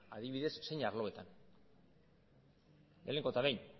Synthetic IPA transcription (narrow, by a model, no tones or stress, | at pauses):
aðiβiðe̞sːe̞jɲaɾlo̞e̞t̪an | leleŋɡot̪aβejɲ